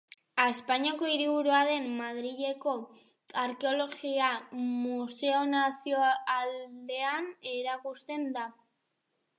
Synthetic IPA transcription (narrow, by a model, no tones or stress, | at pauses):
espaɲiako̞iɾiβ̞uɾuaðe̞mːað̞ɾiʎe̞ko̞ | aɾke̞o̞lo̞ɣiamuse̞o̞nasioald̪e̞ane̞ɾakust̪e̞nd̪a